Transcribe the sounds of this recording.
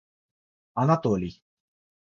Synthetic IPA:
anat̪oli

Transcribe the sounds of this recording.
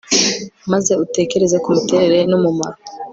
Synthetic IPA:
maze̞ute̞ːke̞ɾe̞zekumuteɾeɾenumuma̰ɾo

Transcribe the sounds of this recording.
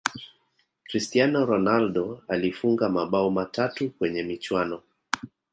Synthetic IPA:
kɾistianɔɾɔnalɗɔalifuŋɡamaɓaumatatukwɛɲɛmit͡ʃwanɔ

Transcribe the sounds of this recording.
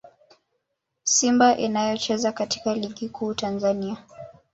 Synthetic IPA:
simbaʔinajɔt͡ʃɛzakati̥kaliɠikʰuːtanzania

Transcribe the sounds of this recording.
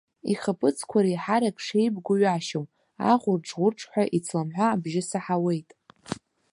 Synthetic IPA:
iχapʰʼɨt͡sʰkʷʰaɾajħaɾakʼʂejbɡʷʊɥaʃowm | a̰ʁʷʊrʈ͡ʂʰʼʁʷʊrʈ͡ʂʰʼħʷaʔit͡sʰlamħʷaːbʒɪsaħawe̞jtʼ

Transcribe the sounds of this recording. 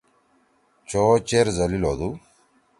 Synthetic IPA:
t͡ʃoːt͡ʃeːɾzɐliloːd̪u

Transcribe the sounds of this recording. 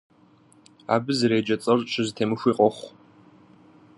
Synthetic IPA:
a̰ːbɨzɨɾeːd͡ʒɐt͡sʼɐrt͡ʃʼɪzɨtʰeːmɨxʷiːqʷʼɔχʷ

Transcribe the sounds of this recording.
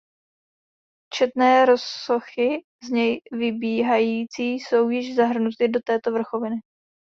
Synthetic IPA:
t͡ʃɛt̪nɛːɾo̞sːo̞xɪ | zɲɛjvɪbiːɦajiːt͡siːso̞wjɪʒzaɦr̩nut̪ɪdo̞t̪ɛːt̪o̞vr̩xo̞vɪnɪ

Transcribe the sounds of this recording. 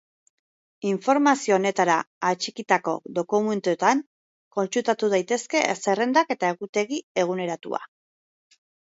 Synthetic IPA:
iɱfo̞ɾmasio̞ːne̞t̪aɾaːt͡ʃikit̪ako̞̰d̪o̞kume̞nt̪uet̪aŋ | ko̞nt͡ʃut̪at̪uð̞ajt̪e̞ske̞se̞re̞nd̪ake̞t̪ae̞ɣut̪e̞ɣie̞ɣ̞une̞ɾat̪ṵa̰

